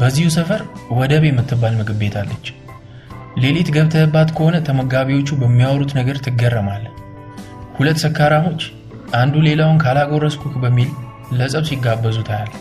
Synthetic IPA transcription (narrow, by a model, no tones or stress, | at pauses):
b̥əzːihusəfəɾwɔd̪əβjɛmːɨt̪ʰːɨbːalmɨɡʼɨbːe̞t̪ʰalːət͡ʃː | le̞let̪ɡəβt̪ʰəbːat̪kʰəho̞nət̪ʰəməɡaβiwo̞t͡ʃːubəmːijawɾut̪nəɡəɾt̪ʰɨɡərːəmal | hulət̪ːsəkʰːaɾamo̞t͡ʃː | ʔand̪ule̞lawʊnkʰalaɡo̞ɾəskʰukbəmːilː | əsʼəβsiɡːabːəzut̪ʰaal